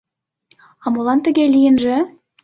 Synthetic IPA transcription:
ɑmulˠɑnt̪ə̆ɡʲelʲijənʒĕ

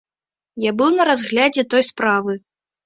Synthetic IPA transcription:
jabɨwnɐɾazɣlʲad͡zʲɛt̪ɔjspɾavɨ

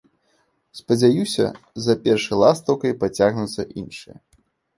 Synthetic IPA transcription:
spɐd͡zʲajusʲɐ̰ | zɐpʲɛrʂɐjlˠast̪ɐwkɐjpat͡sʲaɣnut̪sɐʔḭnʂɨjɐ

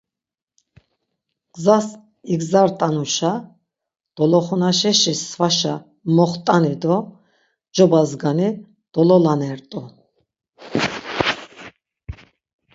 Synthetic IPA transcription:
ɡ̥zas | iɡzaɾt̪ʼanuʃa | d̪̥ɔlɔχunaʃɛʃisvaʃa | mɔχt̪ʼanid̪ɔ | d͡ʒɔbazɡani | d̪̥ɔlɔlanɛɾt̪ʼɔ

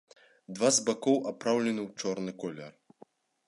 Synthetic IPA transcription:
d̪vazbakɔwʔapɾawlʲɛnɨwt͡ʂɔrnɨkɔlʲɛr

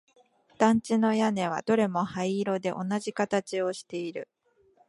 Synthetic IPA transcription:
d̪̥ãɲ̟t͡ɕino̞jane̞β̞a̰d̪̥o̞ɾe̞mo̞haiːɾo̞d̪e̞ʔo̞naʑikat̪at͡ɕio̞ɕi̥t̪e̞iɾɯ̟

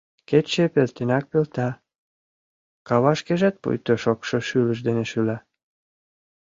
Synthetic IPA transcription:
ket͡ɕepelt̪enɑk̚pelt̪ɑ | kɑβɑʃkeʒæt̪̚pṵjt̪øʃokʃɤʃyləʃ̬d̪eneʃylɑ

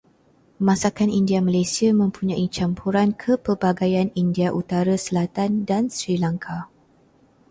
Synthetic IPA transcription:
mãsakanindiamalajsiamə̃mpuɲãit͡ʃampʰuɾankʰəpərbaɡajanindiaʔut̪aɾasəlat̪andansɾilaŋkʰa

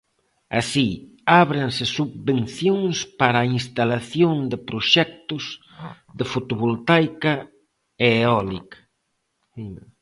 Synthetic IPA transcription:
asi | aβɾansɪsubːẽnθjoŋspaɾaːinst̪alaθjõŋd̪ɪpɾoʃɛk̚t̪ʊz | ðɪfot̪oβolt̪ajka | eɔlik

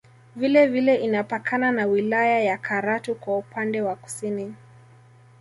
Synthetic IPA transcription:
vilɛvilɛʔinapakʰananawilajajakʰaɾatukwaupandɛwaku̥sini

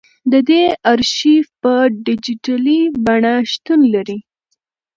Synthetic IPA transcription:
d̪əd̪eaɾʃifpəɖɪd͡ʒiʈalibaɳaʃt̪unlaɾi

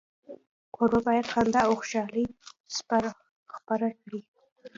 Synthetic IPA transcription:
qʰoɾbabɑjat̪hand̪aoxʃɑlispɾ | xpaɾakɽi

